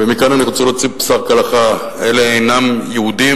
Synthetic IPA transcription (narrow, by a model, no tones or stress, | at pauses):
vemikananiʁot͡selot͡sipsaʁkalaχa | eleejnamjeud̪i